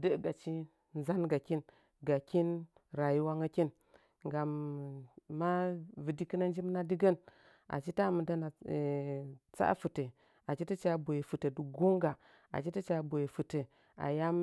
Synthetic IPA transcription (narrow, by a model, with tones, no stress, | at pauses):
də˦˨ɡa˨t͡ʃi˦ | n˦za˦nɡa˨ki˦n | ɡa˨ki˦n | ɾa˨ji˦wa˦ŋa˦ki˦n | ŋɡa˨mː | a˦vɨ˨di˦ki˦na˦n˦d͡ʒi˦m˦na˦di˦ɡə˦n | a̰˨t͡ʃi˦ta˦˨mə˨da˦na˨ | t͡sa̰˦fu˨tə˨ | a˨t͡ʃi˦tə˦t͡ʃa˦bo˨je˨fu˨tə˨du˨ɡo˦ŋɡa˨ | a̰˨t͡ʃi˦tə˦t͡ʃa˦bo˨je˨fu˨tə˨ | a̰˨ja˦m˦